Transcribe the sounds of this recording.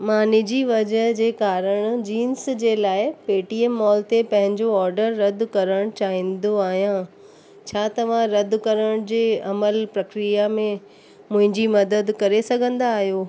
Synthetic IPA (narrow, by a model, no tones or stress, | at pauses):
mãːnid͡ʑiʋɐd͡ʑəɦd͡ʑeːkaːɾəɽ̃d͡ʑiːnsd͡ʑeːlaːɪpeːʈiemːɔːlt̪epɐ̃ɦɪ̃ɲd͡ʑoɔːɾɖəɾːɐd̪ʱkɐɾəɽ̃t͡ɕaːɦĩːnd̪oaːɦijã | t͡ɕʰaːt̪ɐʋ̤ãɾɐd̪ʱkɐɾəɽ̃d͡ʑeːɐməlpɾɐkɾijamẽ | mʊ̃ɦɪ̃ɲd͡ʑimɐd̪əd̪kɐɾesɐɡʱə̃nd̪aːɦjoː